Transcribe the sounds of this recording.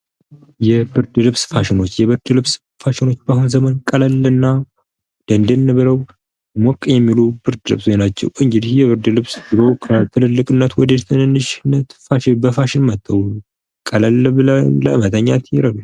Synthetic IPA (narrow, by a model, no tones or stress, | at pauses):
jɛbɨɾd̪ɨlɨβsfaʃɪno̞t͡ʃːjɛβɨɾd̪lɨβs | faʃɪno̞t͡ʃːb̥aɦunzəmənkʼələlɨnːa | d̪̥ənd̪ɨnːɨβɨɾəw | mɔkʼːjɛmːilub̥ɨɾd̪ɨlɨβsojnat͡ʃːɛ̰wʔɨŋɡɨd̪ihjɛβɨɾd̪ɨlɨβsbɨlo̞kʰət̪ʰɨlɨlːɨkʼɨnːət̪wɔd̪əjɛt̪ʰɨnɨnːɨʃnːət̪faʃɪbəfaʃɪnmət̪ʼːəw | kʼələlːbɨlələɨmət̪ʰəɲːa̰t̪jɛɾəɡu